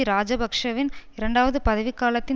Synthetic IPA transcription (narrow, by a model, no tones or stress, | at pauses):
iɾaːd͡ʒɐbʱɐkʂɐʋɪnɪɾɐɳɖaːʋɐðɯpɐðɐʋɪkːaːlɐt̪ːɪ